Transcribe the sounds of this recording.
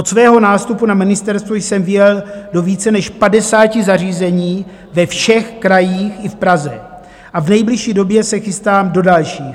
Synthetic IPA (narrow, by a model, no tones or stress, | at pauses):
ʔot̪svɛːɦo̞naːst̪upunamɪnɪst̪ɛɾst̪vojsɛmvɪjɛldo̞viːt͡sɛnɛʃpadɛsaːcɪzariːzɛɲiː | vɛfʃɛxkɾajiːxɪfpɾazɛ | ʔavnɛjblɪʃiːdo̞bjɛsɛxɪst̪aːmdo̞dalʃiːx